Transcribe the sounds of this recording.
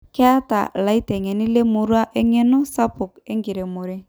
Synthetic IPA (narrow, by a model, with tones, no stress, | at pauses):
kɛ˦a˦ta̰˨la˨i˦tɛ˨ŋe˨ni˦le˦mu˨ɾu˦a˦ʔe˦ŋe˦no˦sa˦po˨ke˦ŋɡi˨ɾe˨mʊ˨ɾe˦